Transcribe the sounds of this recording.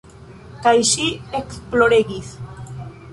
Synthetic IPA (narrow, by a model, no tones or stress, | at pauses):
kajʃieksploɾeɣis